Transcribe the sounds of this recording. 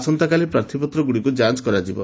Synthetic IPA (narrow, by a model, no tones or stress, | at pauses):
sɔnt̪akalipɾaɾt̪ʰipɔt̪ɾɔɡuɽikud͡ʒant͡ʃkɔɾad͡ʒibɔ̰